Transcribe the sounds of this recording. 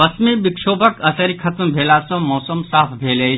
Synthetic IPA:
ʋɐsmibɪkʃoːbəkɐsɐɾikʰɐt̪mbʱeːlaːsõmɔːsɐmsaːpʰbʱeːle

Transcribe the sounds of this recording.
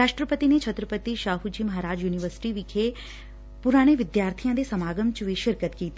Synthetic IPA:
ɾaːʃʈɾəpət̪inet͡ʃʰɐt̪ɾəpət̪iʃaːɦud͡ʒiːmɐɦaːɾaːd͡ʒjuːniʋəɾsɪ̥ʈiʋikʰe | pʊɾaːɽ̃eʋɪd̪jaːɾt̪ʰijãd̪esɐmaːɡəmt͡ʃʋiʃɪɾkət̪kiːt̪ː

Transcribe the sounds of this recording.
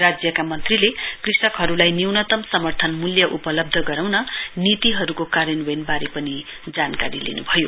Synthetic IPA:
rad͡zjʌkamʌnt̪rilekrisʌkɦʌɾulajniwnʌt̪ʌmsʌmʌrt̪ʰʌnmuljʌʔupʌlʌb̚d̪ʱʌɡʌɾawnʌnit̪iɦʌɾukokaɾʌnwenbaɾepʌni | d͡zankaɾilḛnṵbʱʌjo

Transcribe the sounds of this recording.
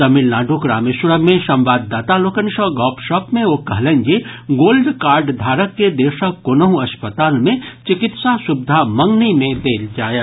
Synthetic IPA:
t̪ɐmɪlnaːɖʱukɾaːmeʃɾəmẽʃɐ̃mʋaːd̪ːaːt̪aloːkənʃɔɡɔːpʃɔːpmẽoːkɐɦlẽnd͡ʒeɡoːlɖkaːɾɖd̪ʱaːɾəkːed̪eːʃəonəɦũɐʃpət̪aːnmẽt͡ʃɪkɪt̪sasʊbɪd̪ʱamɐ̃ŋɡnimẽd̪eːld͡ʒaːjə

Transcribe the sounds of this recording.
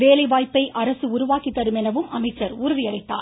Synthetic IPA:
ʋeːlɐɪʋaːjpːɐɪʔʔɐɾɐsɯʊɾʊʋaːkit̪ːɐɾɯmɛnɐʋɯmɐmɐɪt͡ʃːɐɾuːɾɯʋɪɐɽɐɪt̪ːa̰ː

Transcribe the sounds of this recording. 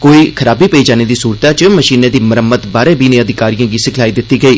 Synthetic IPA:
koːiːkʰəɾaːbiːpəiːd͡ʒaːneːd̪iːsuːɾt̪aːt͡ʃəməʃiːnẽːd̪iːməɾəmːət̪baːɾẽːbiːnẽːəd̪ɪkaːɾijãːɡiːsɪkʰlaːiːd̪ɪt̪ːiːɡəiː

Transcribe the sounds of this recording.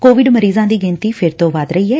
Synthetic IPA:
koːʋɪɖməɾiːzãːd̪iːɡɪ̃nt̪iːpʰɪɾt̪õːʋaːd̪ɾəiːɦɛː

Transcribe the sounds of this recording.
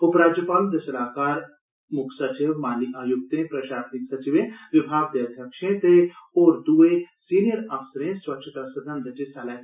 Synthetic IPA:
ʊpɾaːd͡ʒjəpaːld̪ɐʃlaːkaːɾ | mʊkʰsɐt͡ʃɪʋmaːliʔaːjʊk̚t̪ẽpɾɐʃaːsnɪksɐt͡ʃiʋẽʋɪbʱaːɡ̚d̪ed̪ʱjɐkʃẽt̪eoːɾd̪uesiːnijəɾɐʋsəɾẽswɐkt͡ʃʰət̪asɐd̪ʱɐ̃nd̪ʱət͡ʃisaːla

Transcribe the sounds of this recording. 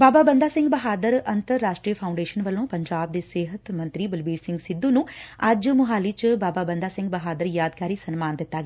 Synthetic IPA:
baːbaːbənd̪aːsɪ̃ŋɡbəɦaːd̪əɾənt̪əɾːaːʃʈɾiːəpʰaʊɳɖeːʃənʋəlõːpəɲd͡ʒaːb̚d̪eːseːɦət̪mə̃nt̪ɾiːbəlbiːɾsɪ̃ŋɡsɪd̪ːũːnũːɐd͡ʒmʊɦaːliːt͡ʃbaːbaːbə̃nd̪aːsɪ̃ŋɡ̚bəɦaːd̪əɾjaːd̪kaːɾiːsənmaːnd̪ɪt̪ːaːɡeː

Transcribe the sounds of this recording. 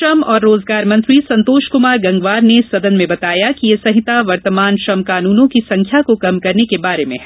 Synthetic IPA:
ʃɐmɔːɾːoːzɡaːɾmɐ̃nt̪ɾisɐ̃nt̪oːʃkʊmaːɾɡɐ̃ŋɡʋaːɾnesɐd̪ənmẽbɐt̪aːjakijesɐ̃ɦɪt̪aʋɐɾt̪əmaːnʃɐmkaːnuːnõkisɐ̃ŋkʰjakokɐmkɐɾnekebaːɾemẽɦ

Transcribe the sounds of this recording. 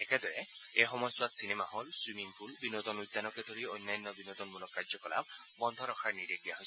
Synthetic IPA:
ɛked̪ɔɹɛ | exɔmɔjswat̪sinemaɦɔlswimiŋpʰulbinɔt̪ɔnujd̪ːanɔkɛd̪ʱoɹiojnːajnːɔbinɔt̪ɔnmulɔkːaɹzɔkɔla̰b | bɔnd̪ʱɔɾɔkʰaɹniɾed̪ijaɦojs

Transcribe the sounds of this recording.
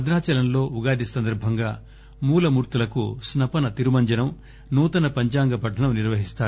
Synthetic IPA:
ɐd̪naːt͡ʃɐlɐnlo̞ːʔuɡaːd̪isɐnd̪ɐɾbʱɐŋɡaː | muːlɐmuːɾt̪ulɐkṵsnɐpɐnɐt̪iɾumɐɲd͡ʒɐnɐm | nuːt̪ɐnɐpɐɲt͡ʃaːŋɡɐpɐʈʰːɐnɐmniɾʋɐɦist̪aːɾu

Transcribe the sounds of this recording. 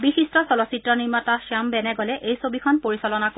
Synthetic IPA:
bixistɔsɔlɔsitɹɔniɹmɔtasiambɛnɛɡɔlɛʔejsobikʰɔnpoɹisɔlɔnak

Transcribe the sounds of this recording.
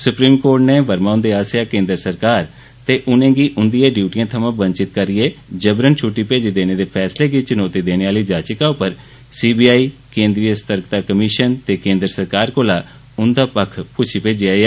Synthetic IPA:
sʊpɾiːmkoːɾʈneːʋəɾmaːʊ̃nd̪eːaːsaːkẽːnd̪ɾəsəɾkaːɾ | t̪eːʔʊnẽːɡiːʔʊnd̪ɪjãːɖjuːʈijãːt̪ʰəmãːbənt͡ʃɪt̪kəɾɪeːd͡ʒəbɾənt͡ʃʰuʈːiːpeːd͡ʒiːd̪eːneːd̪eːpʰɛːsleːɡiːt͡ʃənoːt̪iːd̪eːneːaːliːd͡ʒaːt͡ʃɪkãːʊpːəɾ | siːbiːaːiːkẽːnd̪ɾijəst̪əɾkt̪aːkəmɪʃənt̪eːkẽːnd̪ɾəsəɾkaːɾkoːlaː | ʊnd̪aːpəkʰpʊt͡ʃʰiːpeːd͡ʒɪjaːaː

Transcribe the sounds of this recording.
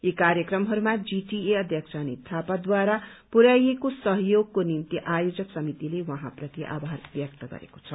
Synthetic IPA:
ekaɾjʌkrʌmɦʌɾumad͡ziʈieʌd̪ʱjʌksʰanit̪ʰapad̪waɾapuɾajekosʌɦjoɡ̚konimt̪iʔajod͡zʌksʌmit̪ilewʌɦãprʌt̪iʔa̰bʱarbjʌk̚t̪ʌɡʌ̰ɾḛko̥t͡sʰʌ

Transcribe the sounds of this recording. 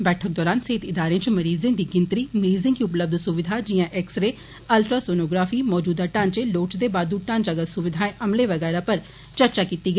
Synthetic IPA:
bɛːʈʰək̚d̪ɔːɾaːnseːt̪ɪd̪aːɾẽːt͡ʃməɾiːzẽːd̪iːɡɪnt̪ɾiːməɾiːzɪ̃ŋkiːʊpləb̚d̪ʱsʊʋɪd̪ʱaːd͡ʒɪjãːʔɛksɾeː | əlʈɾaːsoːnoːɡɾaːfʰiːmɔːd͡ʒuːd̪aːʈãːnt͡ʃeloːt͡ʃd̪eːbaːd̪uːʈãːnd͡ʒəɡəsʊʋɪd̪ʱaːẽʔəmleːʋəɡɛːɾaːpəɾ | t͡ʃəɾt͡ʃaːkiːt̪iːɡəi

